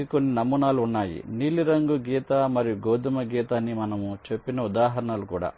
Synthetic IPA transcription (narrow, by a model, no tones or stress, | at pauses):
iko̞nːinɐmunaːluunːaːjḭniːliɾɐŋɡuɡiːt̪ɐmɐɾijuɡoːd̪imɐɡiːt̪aːnːimɐnɐmut͡ʃe̞pːinɐud̪aːɦɐɾɐɳɐlukṵːɽa̰ː